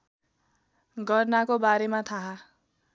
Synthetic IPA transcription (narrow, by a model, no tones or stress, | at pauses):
ɡʌrnakobaɾemat̪ʰaɦa